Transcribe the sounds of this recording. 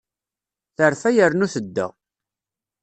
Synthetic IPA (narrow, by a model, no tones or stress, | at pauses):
θəɾfæjəɾnuθəd̪ːə̰